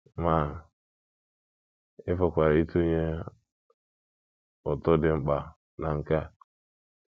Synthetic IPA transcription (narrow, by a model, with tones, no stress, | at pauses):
ma˨ | ɪ˦fo˨kʷa˨ɾi˦tu˦ɲe˦ | o˨to˦dɪ˨˦m̩˦ɓa˨ | na˨ŋ̩˨ka˦